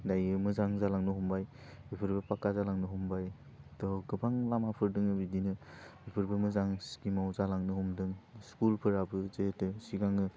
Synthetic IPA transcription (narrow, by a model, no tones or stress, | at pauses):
dajɯmɯzaŋzalaŋnɯɦumbajbipʰɯɾbɯpakazalaŋnɯɦumbaj | tɔɡɯbaŋlamapʰɯɾdɯŋɯbidinɯbipʰɯɾbɯmɯzaŋskimawzalaŋnɯɦumdɯŋskulpʰɯɾabɯzetɯsiɡaŋɯ